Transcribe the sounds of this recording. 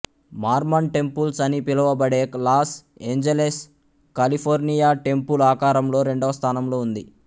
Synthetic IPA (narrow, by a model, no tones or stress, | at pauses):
maːɾmɐɳʈe̞mpulsɐnipilɐʋɐbɐɽe̞ːklaːs | e̞ːɲd͡ʒeles | kɐlipʰoːɾnijaːʈe̞mpulaːkaːɾɐmlo̞ːɾe̞ɳɖɐʋɐst̪ʰaːnɐmlo̞ːund̪i